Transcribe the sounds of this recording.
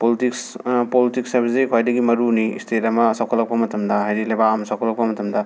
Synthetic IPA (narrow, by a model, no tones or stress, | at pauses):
politikspolitiksɐɾbisikʰɔajdɐɡimɐɾunḭstʰetɐmɐsawkʰɔlɐp̚kɐmɐtʰɐmdɐɦajɾilɐjbaːmsakʰɔlɐp̚kɐmɐtʰɐmdɐ